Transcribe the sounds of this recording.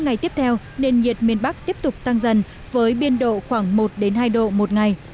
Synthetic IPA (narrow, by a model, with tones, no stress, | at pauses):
ŋa˨˩jt̪i˦˥əp̚t̪ʰɛ˧w | ne˧nɲi˨˩ət̚mi˧˩ənɓa˦˥k̚t̪i˦˥əp̚t̪ʊ˨˩k͡p̚t̪a˧ŋzə˨n | vəː˨˦jɓi˧ənɗo̰˧˨xwaː˧˩ŋmo˨˩t̚ɗe˨˦nɦaː˧jɗo̰˧˨mo˨˩t̚ŋa˨˩j